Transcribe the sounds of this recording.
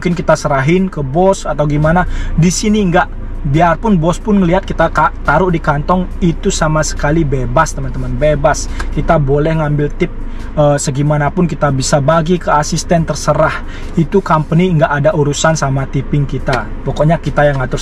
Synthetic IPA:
ŋkɪnkit̪asəɾaɦɪnkəbɔsat̪awɡimanadisiniŋɡaʔ | biarpʊnbɔspʊnŋəliɦat̪̚kit̪akat̪aɾʊʔdikant̪ɔŋit̪usamasə̥kalibebast̪əmant̪əmanbebaskit̪abolɛhŋambɪlt̪ɪp̚ | əsəɡimanapʊnkit̪abisabaɡikəasist̪ɛnt̪ərsəɾah | it̪ukampəniŋɡaʔːdaʔuɾusansamat̪ipɪŋkit̪a | pɔkɔʔɲakit̪ajaŋat̪ʊ

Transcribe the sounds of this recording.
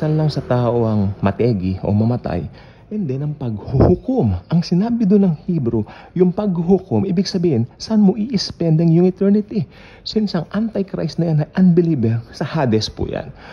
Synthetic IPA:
sɐnlɐŋsɐt̪aːʔo̞ʔɐŋmɐt̪ɛːɡɪʔo̞̰mɐmɐt̪a̰j | ʔɛnd̪ɛnɐŋpɐɡ̚hʊhʊkomʔɐŋsɪnaːbɪd̪ʊnːɐŋhibɾʊ | jʊŋpɐɡhhʊkomʔiːbɪɡsɐbiːhɪnsɐʔanmoʔiʔɪspɛnd̪ɐŋjʊnɪt̪ɛɹnɪt̪i | sɪnsɐŋʔant̪ɐjkɾa̰jsnɐjanɐjʔɐnbɪlibɛɾsɐhaːd̪ɛspʊ̰ja̰n

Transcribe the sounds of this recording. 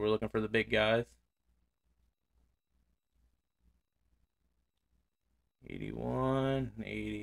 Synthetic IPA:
wəɹlʊkɪ̃ŋfə˞ðəbɪɡaɪz̥ | ḛɪɾḭwʌ̃nḛɪɾi

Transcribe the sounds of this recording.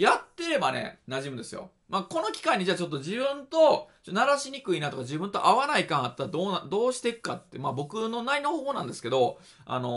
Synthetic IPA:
jat̪ːe̞ɾe̞bane̞̰naʑimɯ̟d̪esɨjo̞̰ | maːko̞no̞kʲi̥kaiɲ̟ːiʑaːt͡ɕo̞t̪ːo̞d͡ʑibɯ̟̃nt̪o̞t͡ɕot̪onaɾaɕiɲ̟ikɯ̟inat̪o̞kad͡ʑibɯ̃nt̪o̞̰ʔaβanaikãɰ̃at̪ːaɾad̪oːnad̪o̞ːɕi̥t̪e̞kɯ̟̥kat̪ːemabo̞kɯ̟no̞nainohoːho̞ːnãnd̪e̞sɨ̥ke̞d̪o̞ | a̰no̞

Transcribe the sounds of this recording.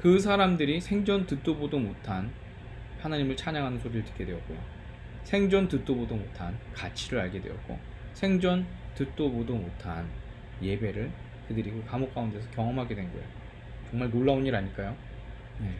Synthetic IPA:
kɯs̬ʰaɾamdɯɾisʰe̞ŋd͡ʑʌntɯt͈obodomotʰan | panaɲimɯɭt͡ɕʰaɲaŋɦanɯnsʰoɾiɾɯɭtɯ̥k͈e̞dwe̞ʌt̚k͈ojo̰ | sʰe̞ŋd͡ʑʌntɯt͈obodomotʰankat͡ɕʰiɾɯɾaɭɡe̞dwe̞̰ʌt̚k͈o̰ | sʰe̞ŋd͡ʑʌntɯt͈obodomotʰan | je̞be̞ɾɯɭ | kɯdɯɾikokamok̚k͈aunde̞sʰʌkjʌŋʌmɦaɡe̞dwe̞nɡʌḛjo | t͡ɕʌŋmaɭnoɭːaoɲiɾaɲik͈ajo | ne̞

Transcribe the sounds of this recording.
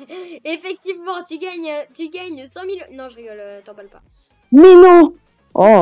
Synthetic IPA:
efɛk̚t̪ivmɑ̃t̪yɡaɲøt̪yɡaɲsɑ̃milnɔ̃ʒəʁiɡɔløʒt̪ɑ̃balpa | mɛnɔ̃ | ɔ̃

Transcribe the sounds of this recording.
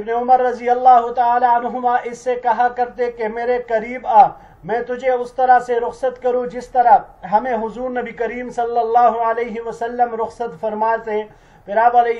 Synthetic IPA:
ɪbneʊməɾːɐzijɐlːaːɦʊt̪ɐaːlaɐnɦʊmaʔɪsːekɐɦakɐɾt̪ekemeːɾekɐɾiːbaː | mɛ̃ːt̪ʊd͡ʒʱeʊst̪ɐɾaseɾʊxsət̪kɐɾũd͡ʒɪst̪ɐɾaɦɐmẽɦʊzuːɾnɐbikɐɾiːmsɐlːəlːaːɦʊɐleːɦɪʋɐsɐlːəmɾʊxsət̪fɐɾmaːse | pɪɾaːbɐle

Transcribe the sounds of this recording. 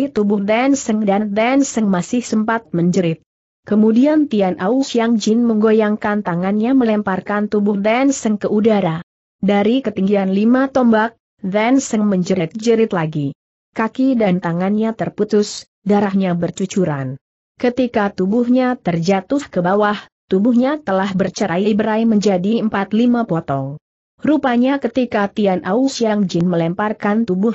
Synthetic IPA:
t̪ubʊhd̪ɛnsəŋdand̪ɛnsəŋmasɪhsəmpat̪̚məɲd͡ʒəɾɪt̪̚ | kəmudiant̪ianʔausijaŋd͡ʒɪnməŋɡojaŋkant̪aŋanɲaməlɛmparkant̪ubʊhd̪ɛnsəŋkəʔudaɾa | daɾikət̪iŋɡianlimat̪ɔmbak̚ | d̪ɛnsəŋməɲd͡ʒəɾɪt̪̚d͡ʒəɾɪt̪laɡi | kakidant̪aŋanɲat̪ərput̪ʊs | daɾahɲabərt͡ʃut͡ʃuɾa̰n | kət̪ikat̪ubʊhɲat̪ərd͡ʒat̪ʊhkəbawaht̪ubʊhɲat̪əlahbərt͡ʃəɾaiibəɾajməɲd͡ʒadiəmpat̪limapɔt̪ɔŋ | rupaɲakət̪ikat̪ianʔausiaŋd͡ʒɪnməlɛmparkant̪ubʊh

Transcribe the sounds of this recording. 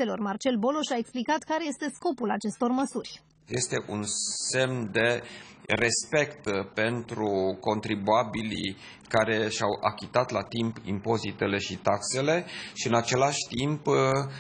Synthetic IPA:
e̞lo̞rmart͡ʃe̞lbo̞lo̞ʃaeksplikat̪kaɾe̞je̞st̪e̞sko̞pulat͡ʃe̞st̪o̞rməsurʲ | je̞st̪e̞ʔunse̞mnd̪e̞ | re̞spe̞kt̪pe̞nt̪ɾuko̞nt̪ɾibuabilḭ | kaɾe̞ʃawʔa̰kʲit̪at̪lat̪impḭmpo̞zit̪e̞le̞ʃit̪akse̞le̞ʃiɨnat͡ʃe̞laʃʲt̪imp

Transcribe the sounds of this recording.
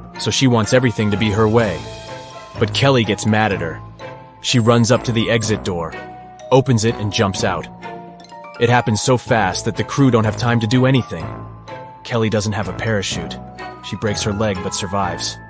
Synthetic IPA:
soʊʃiwɑ̃ntsɛvɹiθɪ̃ŋtɨbiə˞weɪ | b̥ʌt̚kʰɛlˠiɡɛtsmæɾɨt̚hə˞ | ʃiɹʌ̃nzʌp̚tʰɨðiʔɛɡzɨt̚d̥ɔɹ | oʊpɨ̃nzɨɾɨ̰̃nd͡ʒʌ̃mpsaʊɾ | ɨt̚hæpɨ̃n̩z̥soʊfæst̪̚ðɨt̪̚ðɨkʰɹ̥ʉdõʊ̃ntɦɨv̥tʰãɪ̃mtɨdɨɛɾ̃iθɪ̃ŋ | kʰɛlˠidʌzn̩t̚ɦɨvəpʰɛɹɨʃʉt̚ | ʃibɹeɪkshə˞lɛɡ̚bʌtsə˞vaɪvz̥

